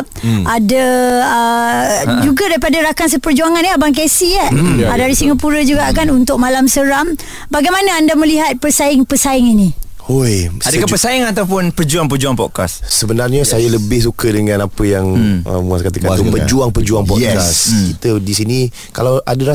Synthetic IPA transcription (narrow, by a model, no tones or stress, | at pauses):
p̚adaə | d͡ʒuɡadaɾipadaɾakans̬əpərd͡ʒuaŋanaabaŋk̬esiaadaɾisiŋapuɾəd͡ʒuɡaʔkanunt̪ʊk̚malamsəɾam | baɡajmanaandamə̃liɦat̪̚pərsaɪŋpəsaɪŋini | ojadəkapəsaɪŋat̪awpʊnpərd͡ʒuaŋp̬ərd͡ʒuaŋpɔ̰ʔ̚kassəbənarɲəsajaləbɪhs̬ukədəŋanapəjaŋə̰muaskat̪əkanupəd͡ʒuaŋpərd͡ʒuaŋpɔʔkkaskit̪ədisini | kalawʔa̰dəɾa